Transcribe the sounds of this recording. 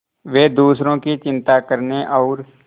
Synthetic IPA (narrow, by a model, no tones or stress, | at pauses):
ʋeːd̪uːsɾõːkit͡ʃɪ̃nt̪aːkəɾneʔɔːɾ